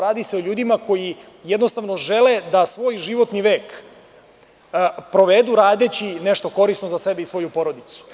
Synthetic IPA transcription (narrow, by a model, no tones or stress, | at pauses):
ɾaːd̪ise̞oʎuːd̪imako̞ji | jed̪no̞st̪aʋno̞ʒeled̪asʋo̞ːjʒiʋo̞t̪niʋe̞ːk | pɾo̞ʋed̪uɾaːd̪et͡ɕineʃt̪o̞ko̞ɾisno̞zasebeisʋo̞jupo̞ɾo̞d̪it̪su̥